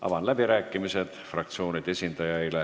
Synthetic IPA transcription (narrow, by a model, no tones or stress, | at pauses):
ʔɑ̰vɑnlæbiɾæːkːˑimise̞d̪̥frɑk̚t̪sio̞ːnid̪̥e̞sʲind̪̥ɑjɑyle